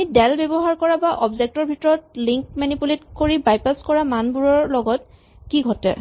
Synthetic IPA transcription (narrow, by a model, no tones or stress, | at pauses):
idɛlbɛbɔɦaɹkɔɹabaʔɔbzɛk̚tɔɹbʱitɔɹɔtliŋkmanipuletkoɹibajpaskɔɹamanbuɹɔɹlɔɡɔt̚ | kiɡʱɔtɛ̰